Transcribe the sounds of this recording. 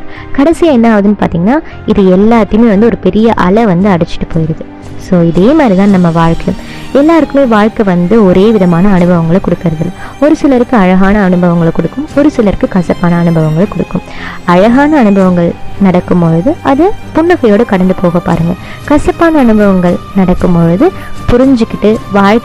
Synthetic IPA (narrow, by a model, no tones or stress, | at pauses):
kɐɽɐsɪjaːɛnːɐːʋɐðɯnːɯpa̰ːɾt̪iːŋɡɐnːaː | ɪðɯɛlːaːt̪ːɪjɯmeːʋɐnd̪ɯɔɾɯpɛɾɪjɐʔɐ̰lɐʋɐnd̪ɯɐɽɛt͡ʃːɪ̥ʈːɯ̥pːoːjɪɾɐðɯ | soːɪðeːmaːd̪ɾit̪ãːnnɐmːɐʋaːɻkɐjɯ̰̃m | ɛlːaːɾɯkːɯmeːʋaːɻkɐʋɐnd̪ɯɔɾeːʋɪðɐmaːnɐːnɯbʱɐʋɐŋɡɐɭɐkɔɽɯkːɪɾɐðɐlɔɾɯsɪlɐɾɯkːɯɐɻɐɣaːnɐːnɯbɐʋɐŋɡɐɭɐkːɔɽɯkːɯmɔɾɯsɪlɐɾɯkːɯkɐsɐpːaːnɐːnɯbʱɐʋɐŋɡɐɭɐkɔɽɯkːɯmɐɻɐɣaːnɐːnɯbɐʋɐŋɡɐɭnɐɽɐkːɯmpɔɻɯðɯɐðɯpʊɳːɐɣɐjoːɽɯkɐɽɐnd̪ɯpoːɣɐpːa̰ːɾɯŋɡɐ | kɐsɐpːaːnɐːnɯbɐʋɐŋɡɐɭnɐɽɐkːɯmpɔɻɯðɯ | pʊɾɪɲd͡ʒɯkːɪʈːɯʋaːɻk